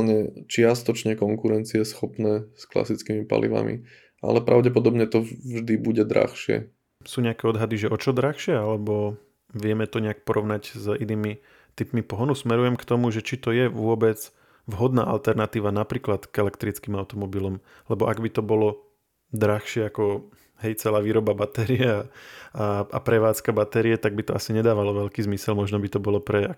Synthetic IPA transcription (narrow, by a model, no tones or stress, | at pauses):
lɲɛt͡ʃɪast̪ɔt͡ʃɲɛkɔŋkuɾɛnt͡siɛsxɔpnɛːskla̰sit͡skimipa̰lḭʋa̰mḭ | ʔa̰lɛpɾaʊɟɛp̬ɔd̪ɔbɲɛt̪ɔʒd̪ibuɟɛd̪ɾa̰xʃɪɛ̰ | suːɲɛakɛɔd̪ɦad̪iʒɛʔɔt͡ʃɔd̪ɾaxʃɪɛalɛbɔ | ʋɪɛmɛt̪ɔɲɛak̚pɔɾɔʊnaɟziniːmi | t̪ipmipɔɦɔnusmɛɾujɛmkt̪ɔmuʒɛt͡ʃit̪ɔjɛʋʊɔbɛd͡z | ʋɦɔd̪na̰ːʔa̰lt̪ɛɾnat̪iːʋanapɾiːklat̪ɡ̥ɛlɛkt̪ɾit͡skiːmaʊt̪ɔmɔbilɔm | lɛbɔʔaɡbit̪ɔbɔlɔ | d̪ɾaxʃɪɛakɔ | ɦɛjt͡sɛlaːʋiːɾɔbabat̪ɛɾiɛaaʔa̰pɾɛʋaːt͡skabat̪ɛɾiɛt̪aɡ̚bit̪ɔasiɲɛd̪aːʋalɔʋɛʎkiːzmisɛlmɔʒnɔbit̪ɔbɔlɔpɾɛa